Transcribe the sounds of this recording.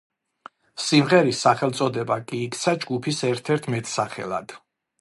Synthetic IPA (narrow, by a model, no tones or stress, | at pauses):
simʁɛɾisːaχɛlˠt̪sʼɔd̪ɛbakʼiːkʰt̪sʰad͡ʒɡupʰisɛɾt̪ʰɛɾt̪ʰmɛt̪ʰʼsaχɛ̰lˠa̰d̪̥